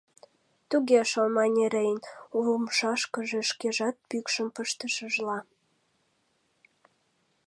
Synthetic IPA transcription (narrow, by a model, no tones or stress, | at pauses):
t̪uɣeʃolmɑnʲeɾejənuləmʃɑʃkəʒeʃkeʒɑt̪̚pykʃəmpəʃt̪əʃəʒlɑ